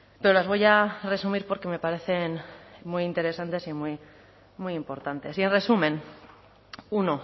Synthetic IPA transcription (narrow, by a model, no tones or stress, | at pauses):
pe̞ɾolazβo̞jare̞sumiɾpo̞ɾke̞me̞paɾe̞θe̞nmujint̪e̞ɾe̞sant̪e̞simuj | mujimpo̞ɾt̪ant̪e̞sie̞nre̞sumẽ̞n | uno